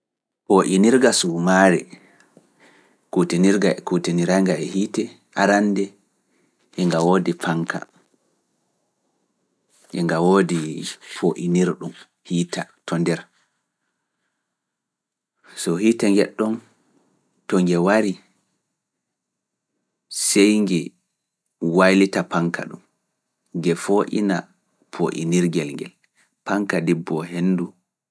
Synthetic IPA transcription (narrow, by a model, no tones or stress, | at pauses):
poʔiniɾɡasumaɾɛ̰ | kutiniɾɡaɛkutiniɾaŋɡaɛhiːtɛ | ʔaɾandɛ | ʔɛŋɡawoːdiɛfaŋkʰa̰ | ʔɛŋɡawoːdifoʔiniɾɗum | hiːtatʰɔndɛɾ | sɔhiːtaŋɡɛɗːɔn | tɔŋɡɛwaɾi | sɛjŋɡɛ | wajlitapaŋkʰa̰ɗṵm | ɡɛfoʔḭna | pʰoʔḭniɾɡɛlŋɡɛ̰l | paŋkadibːɔɦenːdu